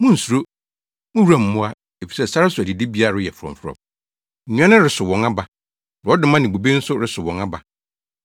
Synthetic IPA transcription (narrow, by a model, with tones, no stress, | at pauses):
mʊ̃˦n̩˨su˨ɾo˦ | mʊ̃˦wu˨˦ã˦˨m̩˨mʊ̃˦a˦ | e˨fi̥˨sɛ˦sa˦ɾɪ˦sʊ˨æ˨di˨di˦bi˦a˨ɾʊ˦jɛ˨fʊ˨ɾɔ̰̃˨m˨fʊ˦ɾɔ̰˨m̩˨ | nũ˦ã˦nʊ̃˦ɾɪ˨˦sʊ˨wɔ̃˨ŋa˦ba˨˦ | ɔ˦dɪ˦mã˦nɪ̃˨bo˨be˦n̩˦sʊ˦ɾɪ˦sʊ˨wɔ̃˨ŋa˦ba˨